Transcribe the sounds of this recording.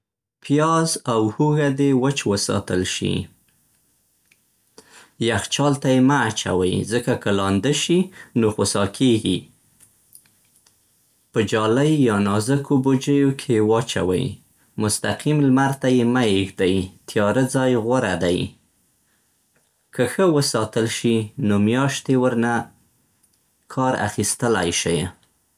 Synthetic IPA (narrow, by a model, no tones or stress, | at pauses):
pjɑzawhuɣad̪ewət͡ʃwəsɑ̰t̪əlʃḭ | jaxt͡ʃɑlt̪ajemaːt͡ʃa̰wəjzəkakəlɑnd̪əʃinoxosɑkʰeɡi | pəd͡ʒɑlajːɑnɑzəkʰobod͡ʒəjokʰejwɑt͡ʃa̰wə̰j | mʊst̪aqimlmaɾt̪ajemajexd̪ajt̪ʰjɑɾəd͡zɑjɣʊɾad̪aj | kəxəwəsɑt̪əlʃinomjɑʃt̪ewəɾna | kʰɑɾa̰xist̪əla̰jʃəj